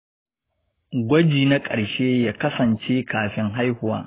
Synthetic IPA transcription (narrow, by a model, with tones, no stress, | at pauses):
ɡʷɔ˦d͡ʒiː˨na˦kʼɐ˨ɽʃeː˦jaː˦kɐ˦sɐ˨nt͡ʃeː˦kaː˨ɸɪ˦ŋɦa˦jhʊ˦wa̰ː˦